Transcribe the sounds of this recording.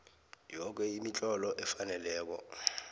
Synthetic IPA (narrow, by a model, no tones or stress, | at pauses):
jɔk̬ɛimit͡ɬʼɔlɔʔɛfanɛlɛːk̬ɔ̰